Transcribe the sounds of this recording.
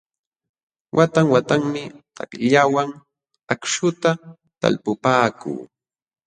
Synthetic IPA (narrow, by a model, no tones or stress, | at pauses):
wʔat̪aŋwat̪aŋmɪt̪a̰kʎawaŋ | akʃʊt̪a | t̪a̰lpʊpaːkṵː